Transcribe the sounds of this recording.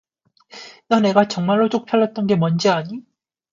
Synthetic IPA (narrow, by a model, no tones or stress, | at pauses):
jʌne̞ɡat͡ɕʌŋmaɭːot͡ɕ͈ok̚pʰjʌɭːʌt̚t͈ʌnɡe̞mʌnd͡ʑiaɲi